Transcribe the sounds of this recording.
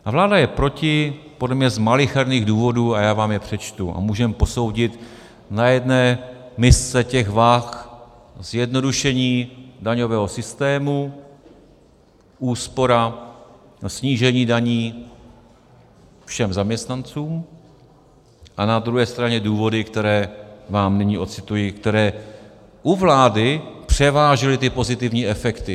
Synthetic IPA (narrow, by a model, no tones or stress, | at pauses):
ʔavlaːdajɛpɾo̞cɪpodlɛmɲɛzmalɪxɛɾniːɣduːvo̞duːajaːvaːmjɛpr̥ɛt͡ʃt̪uʔa̰muːʒɛmpo̞so̞wɟɪt̪ | najɛdnɛːmɪst͡sɛcɛɣvax | zjɛdno̞duʃɛɲiːdaɲo̞vɛːɦo̞sɪst̪ɛːmu | ʔuːspo̞ɾa | sɲiːʒɛɲiːdaɲiː | fʃɛmzamɲɛst̪nant͡suːm | ʔanad̪ɾuɦɛːst̪ɾaɲɛduːvo̞dɪkt̪ɛɾɛːvaːmnɪɲiːʔo̞t̪t͡sɪt̪ujɪkt̪ɛɾɛː | ʔuvlaːdɪpr̝̥ɛvaːʒɪlɪt̪ɪpo̞zɪt̪ɪvɲiːʔɛfɛkt̪ɪ